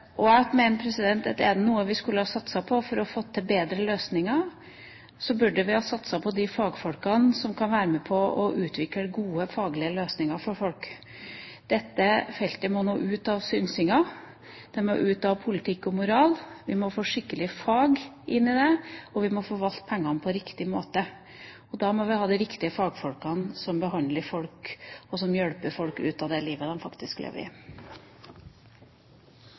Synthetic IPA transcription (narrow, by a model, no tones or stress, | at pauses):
ʔɔæmeːnəpʰɾɛsɪd̪ɛnt̪ɑt̪d̪ɛæd̪ɛnuːəʋɪskʉlːəhɑsɑt̪sɑpʰɔfɔɾɔfɔt̪ʰːɛbeːd̪ɾəløːsnɪŋɑ | sɔbʉɖəʋɪhɑːsɑt̪sɑpʰɔd̪ɪfɑːɡfɔlkɑnsɔmkʰɑnʋæːɾəmɛpʰɔɔʔʉːt̪ʰʋɪkːəɡuːəfɑːɡlɪəløːsnɪŋɑfɔɾfɔlk | d̪̥ɛt̪ːəfɛlt̪əmɔnoːʔʉːt̪ɑʋsʏnsɪŋɑ | d̪̥ɛmɔ̰ʔʉːt̪ɑʋpʰʊlɪt̪ʰɪkːɔmʊɾɑːlʋɪmɔfoːʂɪkːəlɪfɑːɡ | ʔɪnːɪd̪ɛɔʋɪmɔfoːʋɑlt̪̚pʰɛŋːɑnpʰɔɾɪkt̪ɪmoːt̪ə | ɔd̪ɑːmɔʋɪhɑːd̪ɛɾɪkt̪ɪəfɑːɡfɔlkɑnsɔmbəɦɑnd̪ləɾfɔlkɔsɔmjɛɽpəɾfɔlkʉ̰ːt̪ɑd̪ɛliːʋəd̪ɛmfɑkt̪ɪsklḛːʋə̰ɾɪ̰